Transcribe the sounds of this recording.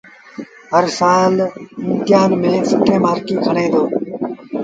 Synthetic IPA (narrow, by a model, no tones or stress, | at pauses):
ɦəɾsaːlɪnt̪jaːnmɪlẽːsɪʈʰːẽːmaːɾkĩːkʰəɽ̃ẽːd̪oː